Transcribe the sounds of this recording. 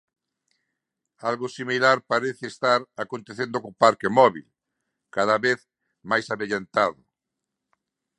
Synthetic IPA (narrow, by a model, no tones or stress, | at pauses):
alɣʊsimilaɾpaɾeθeest̪aɾakõnt̪eθend̪okopaɾkemɔβḭl | kaðaβeθ | majsaβeʎant̪aðʊ